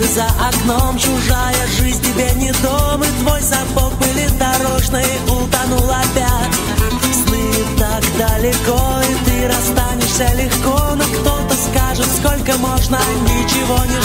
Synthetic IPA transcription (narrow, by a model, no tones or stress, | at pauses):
zəʔɐknomt͡ɕʊʐajəʐɨzʲnʲtʲɪbʲenʲɪd̪omɨt̪vo̞jsɐbok̚bɨlʲɪd̪ɐɾoʐnɨjəʔʊlˠt̪ɐnulˠɐpʲatʲ | snɨ | t̪akd̪əlʲɪkoit̪ɨɾɐst̪anʲɪʂsʲəlʲɪxkonokt̪ot̪əskaʐɨt̪skolʲkəmoʐnə | nʲɪt͡ɕɪvo̞nʲɪ